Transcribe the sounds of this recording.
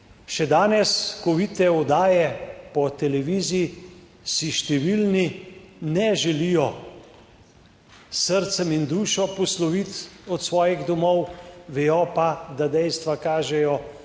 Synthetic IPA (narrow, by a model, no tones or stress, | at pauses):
ʃɛd̪aːnɛskɔʋiːt̪ɛɔd̪aːjɛpɔt̪ɛlɛʋiːziji | siʃt̪ɛʋilninɛʒɛlijɔ | səɾt̪sɛmind̪uːʃɔpɔslɔʋit̪ɔt̪sʋɔːjiɣd̪ɔmɔwʋɛjɔpad̪ad̪ɛjst̪ʋakaːʒɛjɔ